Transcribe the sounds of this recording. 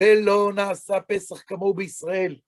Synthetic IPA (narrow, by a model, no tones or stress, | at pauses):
elo̞naːsapesaχkamo̞beisʁae̞l